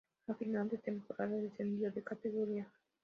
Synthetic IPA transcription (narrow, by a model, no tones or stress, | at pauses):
afinad̪et̪empoɾaɾeɾed͡ʒend̪iod̪ekat̪eɡoɾia